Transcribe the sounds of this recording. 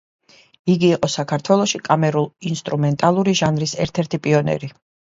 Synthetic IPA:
iɡiːqʼɔsakʰaɾt̪ʰwɛlˠɔʃikʼamɛɾulˠinst̪ʼɾumɛnt̪ʼalˠuɾiʒanɾisɛɾt̪ʰɛɾt̪ʰipʼiɔnɛ̰ɾi

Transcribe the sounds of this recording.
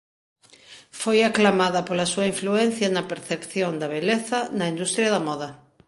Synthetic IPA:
fojaklamaðapolasuaiɱfluen̟θjanɐpeɾθepθjond̪aβeleθanɐĩnd̪ust̪ɾjaðɐmɔða

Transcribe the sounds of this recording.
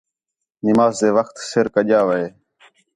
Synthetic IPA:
nɪmaːzd̪eːʋəxt̪sɪɾkəʄaːʋəeː

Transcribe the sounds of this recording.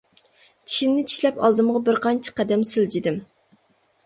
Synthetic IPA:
t̪ʰi̥ʃinnɪt͡ʃ̪ʰi̥ʃlɛpɑ̰lˠd̪ɨmʁɑbɪɾqʰɑnt͡ʃʰi̥qæd̪ɛmsɪld͡ʒid̪ɪm

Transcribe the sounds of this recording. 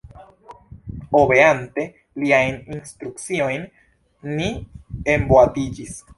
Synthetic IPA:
oβe̞ante̞ | liajninst̪ɾuk̚t͡sio̞jnː | iemboatid͡ʒis

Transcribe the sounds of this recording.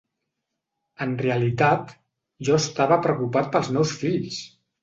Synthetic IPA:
ənreəlit̪at̪ | ʒɔəst̪aβəpɾəwkupat̪̚pəlˠzmɛwsfiʎs

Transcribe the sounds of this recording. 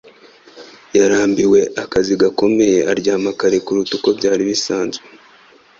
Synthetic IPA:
jaɾaːmbiwe̞ʔakaziɡako̞me̞je̞ʔaɾɟaːmakaɾekuɾutuko̞bɟaːɾiβisaːnzɡe

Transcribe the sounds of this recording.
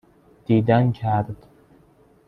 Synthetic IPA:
d̪̥iːd̪æncʰæɾd̪̥

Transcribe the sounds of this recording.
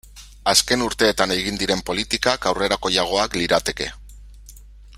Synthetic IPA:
aske̞nuɾt̪e̞ːt̪ane̞ɣind̪iɾe̞mpo̞lit̪ikakawre̞ɾako̞jaɣ̞o̞akliɾat̪e̞ke̞̰

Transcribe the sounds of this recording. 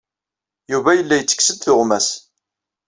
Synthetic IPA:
juvæjəlːæjət͡sːə̥ksəd̪θʊʁmæs

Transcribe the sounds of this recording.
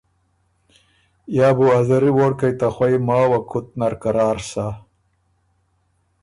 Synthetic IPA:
jaːbuazɐɾiwoːɽkajt̪axwajmaːwakʰut̪̚naɾkaɾaːɾsa

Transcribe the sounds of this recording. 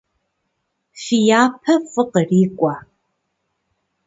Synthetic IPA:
ʃijaːpʰɐfʼɨqəriːkʷʼɐ

